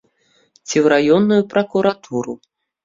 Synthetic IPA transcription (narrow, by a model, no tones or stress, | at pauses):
t͡sʲiwɾajɔnːujupɾɐkuɾat̪ʰuɾu